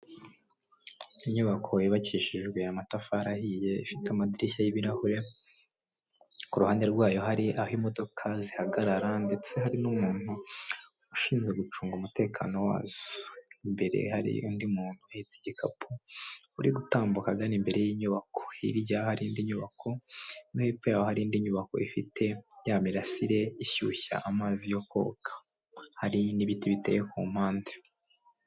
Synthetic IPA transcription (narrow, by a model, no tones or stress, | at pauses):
iɲuβakʰo̞jiβaciʃiʒɡwe̞amatafaɾahije̞ifitamadiɾiçajiβiɾahuɾe | kuɾuhaːnde̞ɾɡwaːjo̞ɦaɾiʔahimo̞do̞kʰazihaɡaɾaɾande̞t͡se̞haɾinumuːn̥hu | uʃiːnzɡweɡut͡ʃuːŋɡumute̞ːkʰa̰no̞wa̰ːz̥o̥imbe̞ɾe̞̰haɾḭundimuːn̥huahit͡siɟikʰapʰuuɾiɡutaːmbukaɡanimbe̞ɾe̞jiːɲuβakʰo̥ḭɾɟahaɾindiɲuβakʰo̞noheːfujaːwohaɾindiɲuβako̞̰ifitʰe̞jaːmiɾasiɾe̞içuːça̰ʔamaːzijo̞ko̰ːkʰḁ | haɾiniβitiβitejekṵm̥haːnde̥